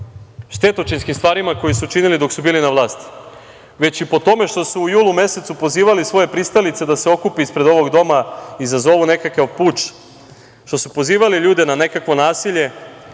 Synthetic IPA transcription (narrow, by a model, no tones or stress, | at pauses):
ʃt̪e̞t̪o̞t͡ʃinskimst̪ʋaːɾimako̞jisut͡ʃinilid̪o̞ksubiːlinaʋlˠaːst̪i̥ | ʋe̞t͡ɕipo̞t̪o̞me̞ʃt̪o̞suːjuːlˠume̞se̞t̪supo̞ziːʋalisʋo̞je̞pɾist̪alit̪se̞d̪ase̞o̞kupiispɾe̞d̪o̞ʋo̞ɡd̪o̞maizazo̞ʋune̞kakapuːt͡ʃ | ʃt̪o̞supo̞ziːʋaliʎuːd̪e̞nane̞kakʋo̞naːsiʎe̞